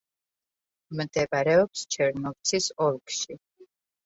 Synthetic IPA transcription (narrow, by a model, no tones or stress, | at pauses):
md̪ɛbʼaɾɛɔpst͡ʃʰɛɾnɔvt̪sʰisɔlˠkʃi